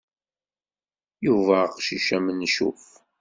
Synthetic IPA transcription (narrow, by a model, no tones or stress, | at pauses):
juvæqʃiʃæmənːʃṵf